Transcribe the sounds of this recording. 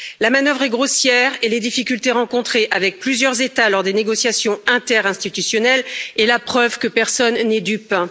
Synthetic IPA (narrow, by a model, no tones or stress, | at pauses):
lamanœvʁɛɡʁosjɛʁeled̪ifikʲylt̪eʁɑ̃kɔ̃t̪χeʔavɛk̚plyzjœʁzet̪alɔʁd̪eneɡɔsjasjɔ̃ɛ̃t̪ɛʁɛ̃st̪it̪ysjɔnɛlelapχœvkəpɛʁsɔnːɛd̪ypɛ̃